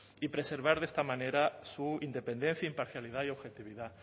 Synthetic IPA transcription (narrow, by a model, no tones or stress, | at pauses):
ipɾeseɾβ̞aɾðest̪amãneɾasuind̪epend̪en̟θjaimpaɾθjaliðaioβxet̪iβ̞iða